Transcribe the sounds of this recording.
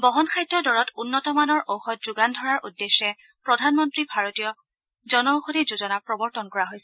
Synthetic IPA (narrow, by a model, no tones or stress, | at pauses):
bɔɦɔnkʰajtːɔdɔɹɔtunːɔtɔmanɔɹʔowxɔt̚z̥uɡandʱɔɹaɹʔudːesːɛ | pɹɔdʱanmɔntɹibʱaɹotijɔ | zɔnɔwxodizuzɔnapɹɔbɔɹtɔnkɔɹaɦojsɛ